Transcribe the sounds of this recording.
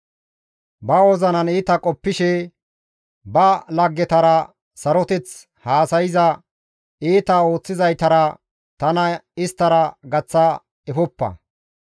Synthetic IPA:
bɐɔzɐnɐniːt̪ɐkʼɔpːɪʃɛ | bɐlɐɡːɛt̪ɐɾɐ | sɐɾɔt̪ɛt͡s | haːsɐjɪzɐ | iːt̪ɐo̞ːt͡sːɪzɐjt̪ɐɾɐ | t̪ɐnɐɪst̪ːɐɾɐɡɐt͡sːɐ | ɛfɔpːɐ̰

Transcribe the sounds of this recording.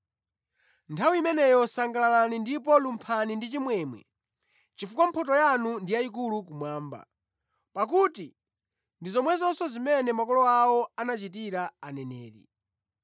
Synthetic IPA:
ntʰawiimɛnɛjɔsaŋɡalalanindip̬ɔlumpʰanindit͡ʃimwɛːmwɛ̰ | t͡ʃifukam̩pʰɔt̬ɔjanundijaik̬ulukumwaːmba̰ | pakuti | ndizɔmwɛzɔnsɔzimɛnɛmakɔlɔawɔanat͡ʃitiɾaanɛnɛ̰ːɾḭ

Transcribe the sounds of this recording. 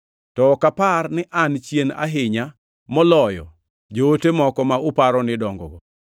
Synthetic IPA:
tɔkaparnɪʔant͡ʃjena̰ɦɪɲa | mɔlɔjɔ̰ | d͡ʒootemɔkɔmaʊpaɾɔnɪdɔŋɡɔ̰ɡɔ

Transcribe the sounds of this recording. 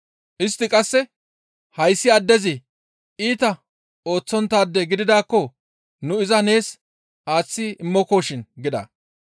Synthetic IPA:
ʔɪst̪ːɪkʼɐsːɛ | hɐjsːɪɐd̪ːɛzɪ | iːt̪ɐ | o̞ːt͡sːɔnt̪ːaːd̪ːɛɡɪd̪ɪd̪aːkːɔ | nʊɪzɐne̞ːs | ʔaːt͡sːɪɪmːɔko̞ːʃɪnɡɪd̪ɐ̰

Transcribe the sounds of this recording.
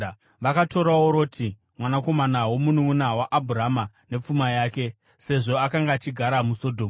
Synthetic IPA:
ʋakato̞ɾaoɾo̞ːtʰi | mwanako̞manawo̞munuunawaʔabʱurama | ne̞p͡fumajaːke̞ | se̞ʐo̞akaŋɡaːt͡ʃiɡʱaɾamuso̞dʱoːm

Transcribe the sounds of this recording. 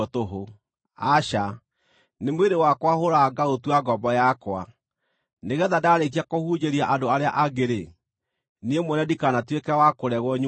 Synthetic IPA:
ɔtoɦo | aʃa | nemweɾewakwahoɾaɡaotwaɡɔbɔjakwa̰ | neɣɛðadaɾek̬iakohud͡ʒeɾiaʔadoaɾea̰ʔaɣeɾe | niemwɛnɛdikanatwekɛwakoɾɛɣwɔɲ

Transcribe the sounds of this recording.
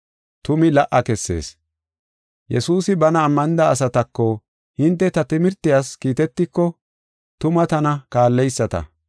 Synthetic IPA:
t̪ʊmɪlɐʔɐkɛsːe̞̰ːs | jɛsuːsɪbɐnɐːmːɐnɪd̪ɐːs̬ɐt̪ɐkːɔ | hɪnt̪ːɛt̪ɐt̪ɪmɪɾt̪ːɪjaːskiːt̪ɛt̪ːɪkːɔ | t̪ʊmɐt̪ɐnɐkaːlːɛjsːɐt̪ɐ̰

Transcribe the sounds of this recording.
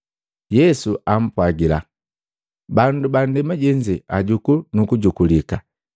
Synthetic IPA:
jɛsuʔam̩pwaɡila̰ | banduban̩dɛmaɟɛɲd͡ʒɛaɟukunukuɟukulika

